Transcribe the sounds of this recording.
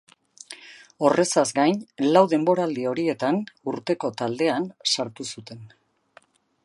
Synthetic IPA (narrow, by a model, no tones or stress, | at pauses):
o̞rʔe̞sazɡajnlawðe̞mbo̞ɾald̪io̞ɾie̞t̪anuɾt̪e̞ko̞t̪ald̪e̞ansaɾt̪usut̪e̞n